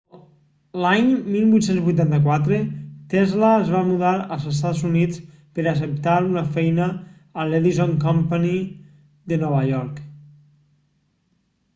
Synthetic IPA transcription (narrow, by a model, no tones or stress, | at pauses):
laɲmilˠβujt̪senzβujt̪ant̪əkwat̪ɾet̪ɛzlaezβamuðaɾəlˠzəs̬t̪azunit͡s | pəɾəs̬əp̚t̪aɾunəfɛjnəː | leðizoŋkɔmpəni | ðənɔβaʎɔɾk